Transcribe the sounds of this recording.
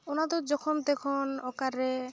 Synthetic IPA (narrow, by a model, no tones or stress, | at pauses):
onat̪̬od͡ʒɔkʰɔmd̪ekʰonɔkaɾe